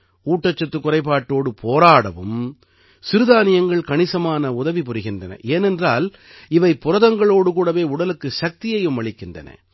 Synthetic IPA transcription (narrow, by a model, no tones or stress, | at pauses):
uːʈːɐt͡ʃːɐt̪ːɯkːʊrɐɪpːaːʈːoːɽɯpʰoːɾaːɽɐ̰ʋɯm | sɪɾɯðaːnɪjɐŋɡɐɭkɐɳɪsɐmaːnɐʊðɐʋipʊɾɯɣɪndrɐnɐ̰ʔeːnɛndraːl | ɪʋɐɪpːʊɾɐðɐŋɡɐɭoːɽɯkuːɽɐʋeːʊɽɐlɯkːɯʃɐk̚t̪ɪjɐjɯmʋɐɭɪkːɪndrɐ̰nɐ̰